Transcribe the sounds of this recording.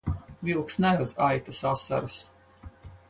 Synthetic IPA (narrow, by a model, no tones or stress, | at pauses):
vilˠksnɛɾad̪zajt̪asasa̰ɾas